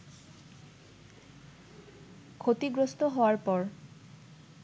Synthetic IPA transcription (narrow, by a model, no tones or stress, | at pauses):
kʰot̪iɡɹost̪ɔɦɔwaɹpɔɹ